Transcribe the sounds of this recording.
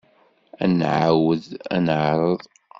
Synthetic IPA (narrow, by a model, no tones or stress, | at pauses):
ænʕawəðæ̰nʕɾˤəðˤ